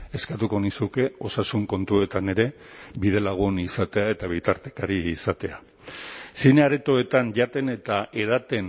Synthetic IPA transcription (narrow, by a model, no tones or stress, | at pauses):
e̞skat̪uko̞nisuke̞o̞sasuŋko̞nt̪ue̞t̪ane̞ɾe̞ | bið̞e̞laɣ̞unisat̪e̞ae̞t̪aβ̞it̪aɾt̪ekaɾiːsat̪e̞a | sineaɾet̪o̞e̞t̪anʎat̪e̞ne̞t̪aʔe̞ðat̪e̞n